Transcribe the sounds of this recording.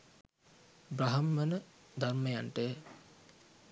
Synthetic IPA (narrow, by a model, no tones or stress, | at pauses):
bɾraɦɐmːənə | d̪ʱarməjaɳʈə